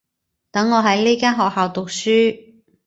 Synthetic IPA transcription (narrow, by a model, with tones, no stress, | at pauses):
t̪ɐ˨˥ŋːɔː˨˧ɦɐ˨˥jliː˥kaː˥nɦɔː˨k̚haː˨˧wt̪ʊ˨k̚syː˥